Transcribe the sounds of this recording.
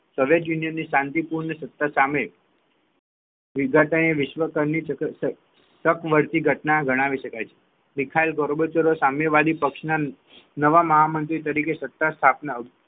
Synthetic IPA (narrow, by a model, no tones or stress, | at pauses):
soʋjeʈjunijənːiʃãnt̪ipuɾɳəsət̪ːasame | ʋɪɡʱaʈəɳeʋɪʃʋəkəɾni | səkʰʋəɾt̪iɡʱəʈnaɡʱəɽ̃aʋiʃəkajt͡ʃʰe̥ | mɪkʰailɡoɾbot͡ʃəɾosameʋad̪ipəkʃna | nəʋaməɦamənt̪ɾit̪əɾikesət̪ːast̪ʰapnə